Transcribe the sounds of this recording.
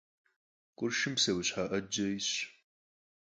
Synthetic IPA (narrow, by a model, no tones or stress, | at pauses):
kʷʼʊrʃɪmsɐwɕħaːʔɐd͡ʒɐjɕ